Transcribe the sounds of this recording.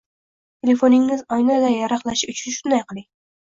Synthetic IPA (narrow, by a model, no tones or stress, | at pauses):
t̪ʰe̞le̞fo̞nɪŋːɪzɒjnad̪ajaɾɑχlˠaʃɪʊt͡ʃʰʊnʃʊnd̪ajqʰɨlˠɪŋ